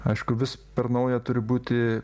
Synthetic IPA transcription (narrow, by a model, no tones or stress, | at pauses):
ɐɪʃkʊʋʲɪspʲɛɾnɐʊjɛt̪ʊɾʲɪbuːt̪ʲɪ